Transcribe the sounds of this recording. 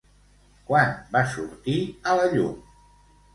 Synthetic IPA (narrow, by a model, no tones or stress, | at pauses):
kwanbasuɾt̪iələʎṵm